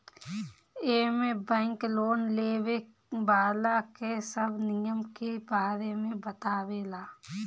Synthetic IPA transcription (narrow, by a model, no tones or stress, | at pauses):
eːmẽbɛ̃ːŋkloːnleːwe | baːlakesəbʱnɪjəmkebaːɾemẽbət̪aːwelaː